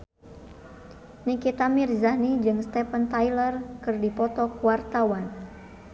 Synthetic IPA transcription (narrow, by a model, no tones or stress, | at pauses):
nikit̪amirzahnid͡ʒɨŋst̪ɛpənt̪ajlərkɨrdipɔt̪ɔkuwart̪awan